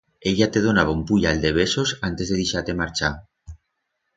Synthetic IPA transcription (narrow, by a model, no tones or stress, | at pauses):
eʎat̪eð̞onaβ̞aumpuʎald̪eβ̞esosant̪ezðeðeʃat̪emaɾt͡ʃa